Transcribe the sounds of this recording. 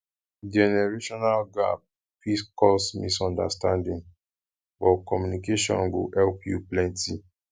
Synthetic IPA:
d͡ʒɛnɛɹeʃɔnalɡa̰p̚ | fiskɔsmḭsɔ̃nda̰stãndĩn | bɔkɔmjunikeʃɔ̰̃nɡohɛlpjuplɛ̃nti

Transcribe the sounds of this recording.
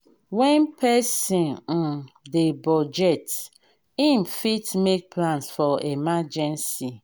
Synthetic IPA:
wɛ̃npʰɛsĩn̩ | debɔd͡ʒɛt | ĩmfitmek̚pʰlãnsfɔemad͡ʒɛ̃nsi

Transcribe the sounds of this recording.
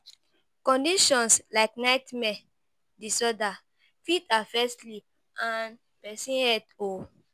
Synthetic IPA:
kɔ̃ndiʃɔ̃nslaɪknaɪtmɛ̃ | disɔda | fitʰafɛstli | an | pɛsĩɛto

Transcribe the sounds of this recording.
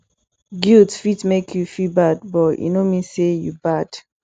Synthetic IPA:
ɡildfitmekʰjufibadbɔjṵnomisejṵbad̥

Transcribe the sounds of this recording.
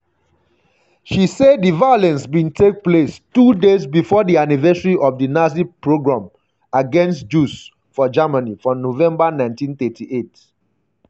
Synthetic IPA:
ʃiseddivaolɛ̃nsbĩntʰek̚plestudezbifɔdianivɛsəɹiʔɔvdinazipɹoɡɹãm | aɡɛ̃nstd͡ʒus | fɔd͡ʒamanifɹɔ̃novɛ̃mbanãɪ̃ntĩnθɛtʰiʔet

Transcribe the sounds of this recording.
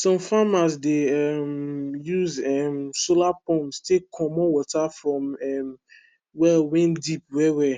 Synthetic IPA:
sɔ̃mfamasdeɛmjuzɛmsolapɔ̃mstʰekʰɔ̃mɔ̃wɔtafɹɔ̃mɛm | wɛlwɛ̃ndip̚wɛwɛ

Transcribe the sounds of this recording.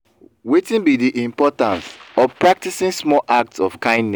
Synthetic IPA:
wetĩnbidiʔĩmpɔtãnsɔpɹak̚tisĩnsmɔlʔak̚tsɔvkãɪ̃ndnɛ

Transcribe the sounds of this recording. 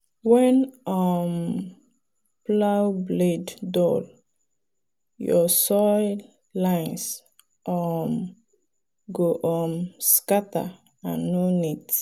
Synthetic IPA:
wɛnɔm | plawbleddɔl | jɔsɔl | lãjns | ʔɔm | ɡoʔɔmskata̰ | anːonit

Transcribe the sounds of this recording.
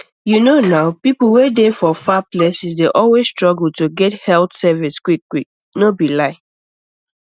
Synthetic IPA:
junonaʊpipl̩ˠwedefɔfaplɛsisdeʔɔlwesstɹɔɡl̩toɡɛthɛltsɛviskwikːwik̚ | nobilaɪ

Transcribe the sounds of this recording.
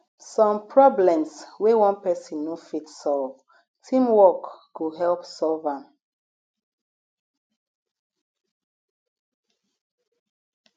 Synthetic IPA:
sɔ̃mpʰɹɔblɛ̃mswewɔ̃npɛsĩnːofitsɔlv | tʰĩmwɔkːuɦɛlpsɔlvãm

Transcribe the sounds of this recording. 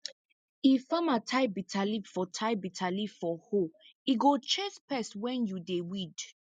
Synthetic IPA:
ifãmatʰaɪbitʰalifɔtʰaɪbitʰalifɔhoiɡot͡ʃespɛswɛ̃njudewid

